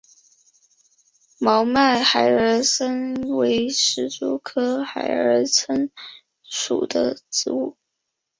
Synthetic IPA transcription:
mɑ˧˥ʊma˥˩ɪxa˨˩ɪəə˞˧˥sə˥nwe˧˥ɪʂɻ̩˧˥t͡sṵ˥˩kʰɤ˥xa˨˩ɪə̰˞˧˥t͡sʰə˥n | ʂṵ˨˩d̪ə˦ʈ͡ʂɻ̩˧˥u˥˩

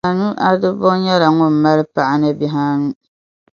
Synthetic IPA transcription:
a˨nu˦ʔa˦dɨ˦bʊ˦ɲɛ˦la˨ŋʊ˦m̩˨ma˦lɨ˦pa˨ʔa˦nɨ˦bɪ˦ɦaː˦nu˦

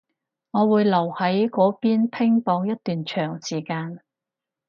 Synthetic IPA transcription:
ŋɔː˨˧wuː˨˧jlɐ˨˩whɐ˨˥jkɔː˨˥piː˥npʰɪ˥ŋpɔː˧ŋjɐ˥t̚t̪yː˨nt͡ʃʰœː˨˩ŋsiː˨˩kaː˧n

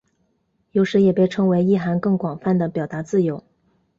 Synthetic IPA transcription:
jo˧˥ʊʂɻ̩˧˥jɛ˨˩pe˥˩ɪʈ͡ʂʰɤ˥ŋwe˧˥ɪi˥˩xa˧˥nkɤ˥˩ŋkwɑ˨˩ŋfa˥˩nd̪ə˩pjɑ˨˩ʊt̪a˧˥t͡sɹ̩˥˩jo˧˥ʊ

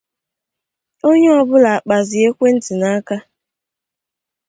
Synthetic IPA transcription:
o˦ɲe˦ɔ˨bʊ˦la˨a˨k͡pa˨zɪ˨e˦kʷe˦n̩˦ti˨na˦ka˦

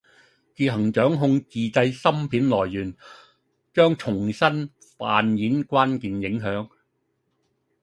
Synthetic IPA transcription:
t͡siː˧ɦɐ˨˩ŋt͡ʃœː˨˥ŋɦʊ˧ŋt͡siː˨t͡sɐ˧jsɐ˥mpʰiː˨˥nlɔː˨˩jːyː˨˩n | t͡ʃœː˥ŋt͡ʃʰʊ˨˩ŋsɐ˥n | fa̰ː˨˧njiː˨˥nkʷwaː˥nkiː˨njɪ˨˥ŋɦœː˨˥ŋ

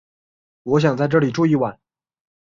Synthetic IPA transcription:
wɔ˧˥ɕ̬jɑ˨˩ŋt͡sa˥˧ɪʈ͡ʂɤ˥˩li˨˩ʈ͡ʂu˥˧i˥˩wa˧˩˦n

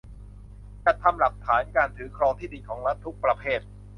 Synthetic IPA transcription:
t͡ɕa˨˩t̪ʰːa˧mla˨˩k̚t̪ʰaː˩˦nkaː˧nt̪ʰɯː˩˦kʰɾɔː˧ŋt̪ʰiː˥˩di˧nkʰɔː˩˦ŋɾa˦˥t̪ʰːu˦˥k̚pɾa˧pʰeː˥˩t̪̚

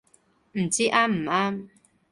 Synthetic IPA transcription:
m̩˨t͡si˦ʔa˦m̩˨˩a˦m

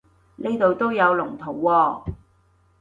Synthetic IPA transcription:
ne˥jt̪o˨wt̪o˥wjɐ˨˧wlʊ˨˩ŋt̪ʰo˨˩wːɔː˧

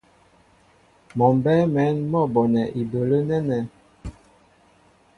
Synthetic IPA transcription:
mɔ˨m˨bɛ˦mɛ˨˦nmɔ˦˨bɔ˨nɛ˨ʔi˨do˨lə˦nɛ˦nɛ˨

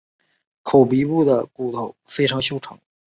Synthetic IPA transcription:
kʰo˨˩ʊpi˧˥pu˥˩d̪ə˩ku˨˩t̪ʰo˥˩ʊfe˥ɪʈ͡ʂʰɑ˧˥ŋɕjo˥ʊʈ͡ʂʰɑ˧˥ŋ

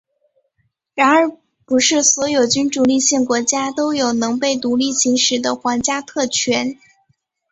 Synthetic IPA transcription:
ɻa˧˥nə˞˧˥ | pu˧˥ʂɻ̩˥˩swɔ˧˥jo˨˩ʊt͡ɕy˥nʈ͡ʂu˨˩li˥˧ɕjɛ˥˩nkwɔ˧˥t͡ɕja˥t̪o˥ʊjo˨˩ʊnɤ˧˥ŋpe˥˩ɪt̪u˧˥li˥˩ɕʰi˧˥ŋʂɻ̩˧˥d̪ə˧xwɑ˧˥nt͡ɕja˥t̪ʰɤ˥˩t͡ɕʰɥɛ˧˥n

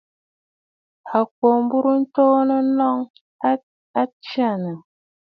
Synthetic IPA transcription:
a˨k̚wo˨m˦bu˦ɾu˦n̩˦to˦nə˦nɔ˦ŋ˦ | a˦t͡ʃi˦a˦˨nə˨

